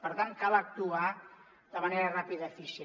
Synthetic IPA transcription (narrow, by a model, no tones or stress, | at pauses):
pəɾt̪an̚kalak̚t̪ua | d̪əmaneɾərapiðafisi